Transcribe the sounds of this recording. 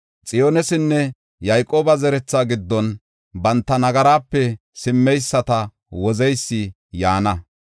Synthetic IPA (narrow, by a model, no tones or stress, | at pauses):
t͡sʼɪjoːnɛsɪnːɛ | jɐjkʼoːbɐzɛɾɛt͡sːaːɡɪd̪ːɔn | bɐnt̪ːɐnɐɡɐɾaːpːɛ | sɪmːɛjsːɐt̪ɐ | wɔzɛjsːɪ | jaːnɐ